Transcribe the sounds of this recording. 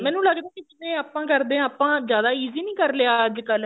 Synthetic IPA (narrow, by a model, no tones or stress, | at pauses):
mɛ̃ːnũːləɡd̪aːkɪd͡ʒɪt̪ẽːaːpãːkəɾd̪ẽːaːpːãːzjaːd̪aːiːziːnĩːkəɾleaəd͡ʒkəl